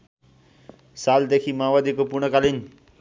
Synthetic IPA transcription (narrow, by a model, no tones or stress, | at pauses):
sald̪ekʰiːmaʋad̪ikopuɾɳ̃əkalin